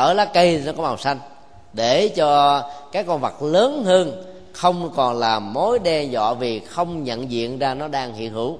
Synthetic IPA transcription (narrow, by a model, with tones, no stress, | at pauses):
ʔəː˧˩laː˨˦kə˧jnɔ˨˦kɔ˨˦maː˨˩wsa˧jŋ̟ | ɗe˧˩t͡ɕɔ˧kaː˨˥jkːɔ˧nvə˨˩k̚ləː˨˦nhəː˧n | xə˧wŋ͡mkɔ˨˩nlaː˨˩mo˨˦jɗɛ˧zɔ̰˧˨vi˨˩xə˧wŋ͡mɲə̰˧˨nzḭ˧˨ənzaː˧nɔ˨˦ɗaː˧ŋhḭ˧˨ənhɨ˧˩w